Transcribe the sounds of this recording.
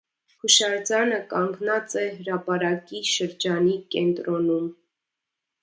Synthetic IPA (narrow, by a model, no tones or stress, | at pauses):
kʰuʃɑɾt͡sɑnəkɑŋɡnɑt͡sɛɦəɾɑpɑɾɑkiʃəɾd͡ʒɑnikɛnt̪ɾɔnum